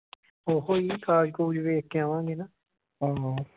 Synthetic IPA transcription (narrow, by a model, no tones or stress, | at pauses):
oːɦoːiːkaːd͡ʒkoːd͡ʒʋeːkːeaːʋãːŋɡeːnaː | ɦõːɦ